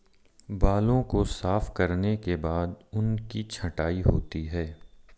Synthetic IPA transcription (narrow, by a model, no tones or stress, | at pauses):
baːlõkosaːfkɐɾnekebaːd̪ʊnkit͡ʃʰɐʈaːiɦoːt̪iɦɛː